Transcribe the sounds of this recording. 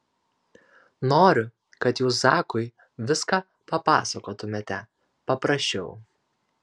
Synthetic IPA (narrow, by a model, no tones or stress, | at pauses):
noːɾʲʊ | kɐt̪juːsɑːkʊɪ | ʋʲɪskɑ | pɐpɑ̰ːsɐkoːt̪ʊmʲet̪ʲɛ | pɐpɾɐʃʲt͡ʃʲɛʊ